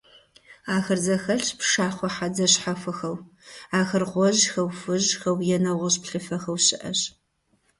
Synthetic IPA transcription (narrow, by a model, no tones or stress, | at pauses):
aːxɐrzɐxɐɬpʂaːχʷɔħad͡zɐɕħafɨxɐw | aːxɐrʁʷɔʑxɐwfɨʑxɐwjɛnɐʁʷɐɕpɬɨfɐxɐwɕɪʔɐɕ